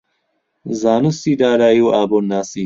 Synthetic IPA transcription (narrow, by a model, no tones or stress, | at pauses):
zaːnusid̪aːɾaːjuwaːbonaːsi